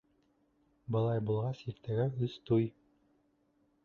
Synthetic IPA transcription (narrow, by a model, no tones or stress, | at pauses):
bɤ̆lˠɑjbulˠʁɑsiɾt̪æɡæɵst̪uj